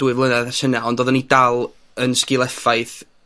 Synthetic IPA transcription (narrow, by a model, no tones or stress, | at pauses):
duɨvlˠənɛðaʃənaɔndoːðɔnidalˠ | ənskɪlˠɛfaɨθ